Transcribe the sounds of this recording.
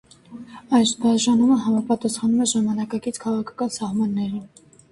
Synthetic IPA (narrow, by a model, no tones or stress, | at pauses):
ɑjʃbɑʒɑnuməɦɑmɑpɑt̪ɑsχɑnumɛʒɑmɑnɑkɑkit͡sʰkʰɑʁɑkʰɑ̥kɑnsɑhmɑnːɛɾum